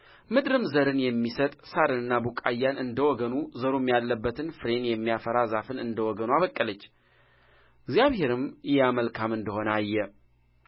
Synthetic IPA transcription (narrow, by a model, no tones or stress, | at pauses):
mɨd̪ɾɨmzəɾɨnjɛmːisət̪ʼsaɾɨnɨnːabukʼajːanɨnd̪əwɔɡənuzəɾumːijalːəbːət̪ʰɨnfɨɾe̞njɛmːijafəɾazafɨnɨnd̪əwɔɡənuaβəkʼːələt͡ʃː | ɪɡzjaβhe̞ɾɨmjɛaməlkʰamɨnd̪əho̞nəajːɛ